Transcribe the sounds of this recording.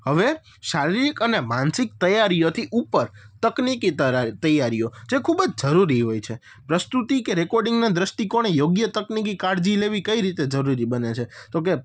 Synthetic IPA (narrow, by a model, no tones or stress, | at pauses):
həʋe | ʃaɾilikənemãnsik̚t̪əjaɾijot̪ʰiʔupəɾt̪əknikit̪əjːaɾijod͡ʒekʰubəd͡ʒd͡ʒəɾuɾiɦojt͡ʃʰe | pɾəst̪ut̪ikeɾekɔɾɖɪŋɡnad̪ɾəsʈikoɽ̃ejoɡjət̪əknik̬ikaɾd͡ʒileʋikəiɾit̪ed͡ʒəɾuɾibənet͡ʃʰet̪oke